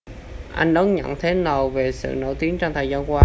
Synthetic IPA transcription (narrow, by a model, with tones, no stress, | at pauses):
ʔa˧jŋ̟ɗə˨˦nɲə̰˧˨nt̪ʰe˨˦nə˨˩wve˨˩sɨ̰˧˨no̰˧˩t̪i˨˦əŋt͡ɕɔ˧ŋ͡mt̪ʰə˨˩jzaː˧nkwaː˧˦